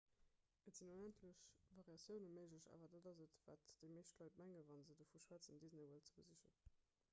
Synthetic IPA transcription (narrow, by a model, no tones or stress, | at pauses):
ətz̥inonæntʰləɕvɑʁjɑsjəʊnəməɪʒləɕa̰ːvɐdadɑzətvaːtd̥eɪmeːʃtlɑɪtmæŋəvɑnzədoːfuʃwæːt͡səmdizneɪvəlt͡səbəziʃə̰n